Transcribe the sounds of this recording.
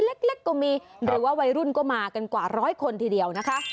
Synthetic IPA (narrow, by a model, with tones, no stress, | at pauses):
le˦˥k̚le˦˥kːɔː˥˩miː˧ɾɯː˩˦waː˥˩wa˧jɾu˥˩nkɔː˥˩maː˧ka˧nkwaː˨˩ɾɔː˦˥jkʰo˧nt̪ʰiː˧di˧əwna˦˥kʰa˦˥